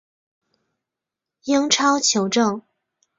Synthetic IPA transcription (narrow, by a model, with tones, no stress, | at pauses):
ji˥ŋʈ͡ʂʰɑ˥ʊt͡ɕʰjo˨˧˥ʊʈ͡ʂɤ˥˩ŋ